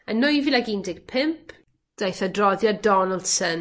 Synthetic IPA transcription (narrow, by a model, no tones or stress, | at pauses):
ənːʊjvilaɡindɪɡ̥̚pʰɪmpʰ | d̥ajθadrɔðjɔdɔnəlˠsən